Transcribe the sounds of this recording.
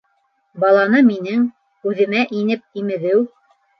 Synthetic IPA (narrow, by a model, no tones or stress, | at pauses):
bɑlˠɑnɤminɘŋ | ʉðɘ̆mæʔinɘp̚imɘ̆ðɘw